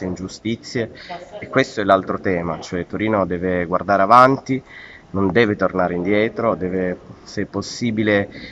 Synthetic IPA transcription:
eind͡ʒust̪it̪sːjeːkːwest̪oɛlalt̪ɾot̪ɛːmat͡ʃoɛt̪ːoɾiːnod̪ɛːveɡward̪aːɾeavant̪i | nond̪ɛːvet̪ornaːɾeind̪jɛːt̪ɾod̪ɛːvesɛpːosːiːbile

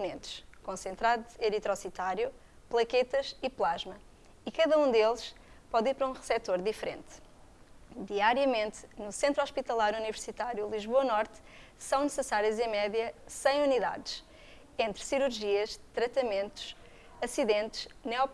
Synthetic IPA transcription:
punẽnt̪ʃkõsẽnt̪ɾaðueɾit̪ɾɔsit̪aɾju | plˠɐket̪ɐʃiplˠaʒmɐ | ikɐðɐũd̪elˠʃ | pɔðiɾpɾɐũʁɨsɛt̪oɾðifɾḛ̃nt̪ | d̪iaɾjɐmẽnt̪nusẽnt̪ɾɔʃpit̪ɐlˠaɾunivɨɾsit̪aɾjulˠiʒβoɐnɔɾt̪ | sɐ̃w̃nɨsɨsaɾjɐzɐ̃mɛðjɐsɐ̃j̃uniða̰ðʃ | ẽnt̪ɾsiɾuɾʒiɐʃt̪ɾɐt̪ɐmẽnt̪u̥ʃ | ɐsiðẽnt̪ʃnɛɔ

